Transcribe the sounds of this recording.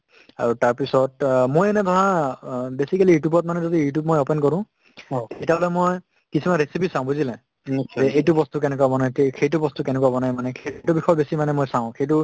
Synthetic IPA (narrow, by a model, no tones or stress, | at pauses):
a̰ɹutaɹpisɔt̚mojɛnɛbʱɔɦãbesikalijutjubɔt̚manɛzodijutjub̚mojɔpɛnkɔɹʊ̃ | etalɛmoj | kisʰimanɹesipisãʊ̃buzilɛ̃ | zɛejtʊbɔstuk̬ɛnɛkuabɔnajtxejt̬ʊbɔstukɛnɛkuwabɔnajmanɛketʊbixɔjɔbesimanɛmojsãʊ̃xejtʊ